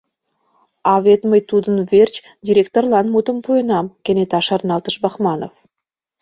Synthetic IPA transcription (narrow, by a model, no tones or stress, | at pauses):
ɑvʲet̪məjt̪ud̪ənvʲerʲt͡ɕ | dʲiɾʲekt̪orlˠɑnmut̪əmpʰojənɑmkʲenet̪ɑʃɑrnɑlˠt̪əʃbɑχmɑnof